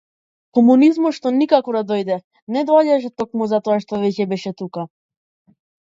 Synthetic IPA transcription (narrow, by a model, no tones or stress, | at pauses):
kɔmunizmɔt̪ʃt̪ɔnikakɔd̪ad̪ɔjd̪ɛ | nɛd̪ɔaɟaʃ̬ɛt̪ɔkmuzat̪ɔaʃt̪ɔvɛcɛbɛʃɛt̪uka